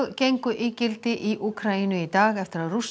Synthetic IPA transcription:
cejŋkʏʔɪːcɪlt̪ɪʔiʔukʰɾainʏit̪aːɣɛft̪ɪɾaðrus

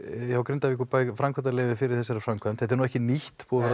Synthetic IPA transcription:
hawkɾɪnt̪avikʏpaːjfɾamkʰvɛnt̪alɛːvɪfɪɾɪɾ̥θɛsːɛɾḁfɾamkʰvɛnt̪θɛt̪ɛɾnuːɛhcɪnihtt̪pʰuafɛɾ

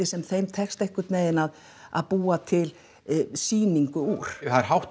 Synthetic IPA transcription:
ɪsɛmθejmt̪ʰɛkst̪ejhkʏt̪mɛːðɪnað | a̰ðpuːat̪ʰɪl | siːniŋkʏuɾ̥aɾɦawht̪

